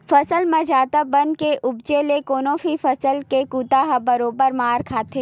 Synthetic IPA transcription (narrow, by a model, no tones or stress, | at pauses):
fɐsəlmɐ̃d͡ʒaːt̪abɐnkeʔʊbt͡ʃelekoːnõfifɐsəlkekuːt̪aːɦabɐɾoːbəɾmaːɾkʰaːt̪ʰeː